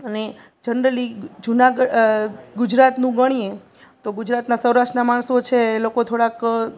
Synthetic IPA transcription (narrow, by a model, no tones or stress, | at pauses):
əne | d͡ʒənɾəlid͡ʒunaɡəɡʊd͡ʒɾat̪nũɡəɽ̃ie | t̪oɡʊd͡ʒɾat̪nasəwɾaʃʈnamaɳsot͡ʃʰelokot̪ʰoɽak